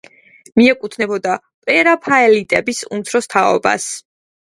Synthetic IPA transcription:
miɛkʼut̪ʰnɛbɔd̪a | pʼɛɾapʰaɛlit̪ʼɛbisṵmt̪sʰɾɔst̪ʰaɔ̰ba̰s

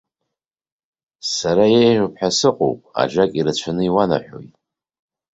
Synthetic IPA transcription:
saɾajejʒʷᶣupʰħᶣasɨqʼo̰wpʼa̰ʒakʼiɾat͡ɕʷʰanɨiwana̰ħʷᶣo̞̰jtʼ

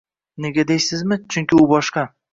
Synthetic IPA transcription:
ne̞ɡʲad̪ejsɪzmɪt͡ʃʰʊŋkʲɪʊbɒʃqɑ

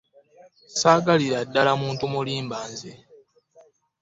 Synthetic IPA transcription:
saːɡaliɾadːalamuːntumuliːmbaːnze

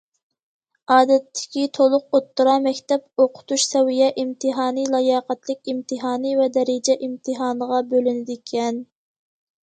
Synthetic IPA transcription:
ɑːd̪ɛt̪ʰːɪ̥kʲit̪ʰolˠʊq̚ot̪ʰːuɾɑmɛkʲt̪ɛpoqʰʊ̥t̪uʃsɛwijɛʔimt̪ʰɨɦɑːnɨlˠɑjɑːqæt̪lɪkʲimt̪ʰɨɦɑːnɨvɛd̪ɛɾɪd͡ʒɛʔimt̪ʰɨɦɑːnəʁɑbølynɪd̪ɪkʲʰɛn

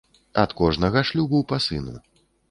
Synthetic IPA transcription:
ɐ̰t̪kɔʐnɐɣɐʂlʲubuwpasɨnṵ

